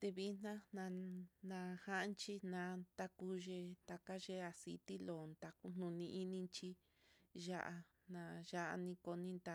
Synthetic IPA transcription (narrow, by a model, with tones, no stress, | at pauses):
t̪e˧βi˧˦nnã˦nã˧nã˧ha˦nt͡ʃi˦nã˧nt̪a˧ku˧ʒe˧t̪a˧ka˦ʒe˦a˧sḭ˧t̪i˦lo˨nd̪a˧ku˦n̥nũ˧nĩ˧ʔi˦nĩ˧nt͡ʃi˧ | ʒa˦ʔa˧ | nã˧ʒa˦ʔa̰˧nĩ˧ko˧nĩ˦nd̪a˧